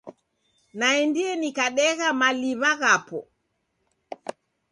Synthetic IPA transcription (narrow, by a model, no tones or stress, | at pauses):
naɛndiɛnikaɗɛɣamaliβaɣapɔ